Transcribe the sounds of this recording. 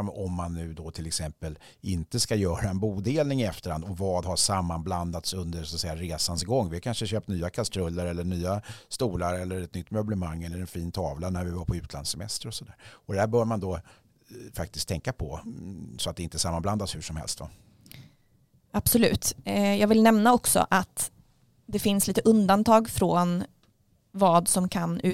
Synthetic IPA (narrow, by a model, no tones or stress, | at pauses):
ɔmːanːʉ̟ːd̪ɔt̪ʰɪlɛksɛmpəl | ɪnt̪əskajœːɾaɛnbuːd̪eːlnɪŋɪɛft̪əɾha̰nd̪ɔvɑːd̪haʂamːanbland̪at̪sɵnd̪əsɔat̪sɛjːaɾeːsansɡɔŋːvɪhaɾkʰanʂəɕøːp̚t̪nyːakʰast̪ɾɵlːəɾɛlːəɳyːast̪uːlaɾɛlːəɾɛt̪nʏt̪ːmœblɛmaŋːɛlːəɾɛnfiːnt̪ʰɑːvlanæɾvɪvapʰɔʉ̟ːt̪ʰlansɛmɛ̰st̪əɾɔsɔd̪æːɾɔd̪ɛd̪æːbœːɖmand̪ɔ | fak̚t̪ɪskt̪ʰɛŋkapʰɔsɔat̪̚ɛɪnt̪əsamːanbland̪ashʉʂɔmhɛ̰lst̪va̰ | ab̥sɔlʉ̟ːt̪jɑːɡvɪlnɛmnaɔksɔ̰ʔat̪ | d̪ɛfɪnsliːt̪əʔɵnd̪ant̪ʰɑːɡfɾoːn | vɑːd̪sɔmkʰanʉ̟ː